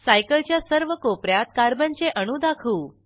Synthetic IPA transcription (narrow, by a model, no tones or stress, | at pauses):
sajkəlt͡ɕjasəɾʋəkopɾjat̪̚kaɾbənt͡ɕeʔəɽ̃uːd̪akʰuː